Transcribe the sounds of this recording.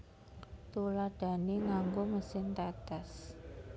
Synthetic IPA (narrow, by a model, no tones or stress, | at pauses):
t̪ulad̥a̤niŋaŋɡoməsɪnt̪at̪as